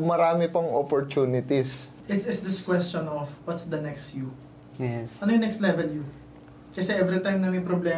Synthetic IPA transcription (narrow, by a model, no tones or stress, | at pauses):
mɐɾaːmɪpɐŋopoɹt͡ʃuːnɪt̪is | ʔɪt̪sɪt̪sd̪ɪskwɛst͡ʃɔnɔvwɐt̪sd̪ɐnɛkst̪ju | jɛʔɐnojʊ̃ŋnɛkst̪lɛvɛlju | kɐsɛʔɛvɾɪt̪ajmnɐmɐjpɾoblɛː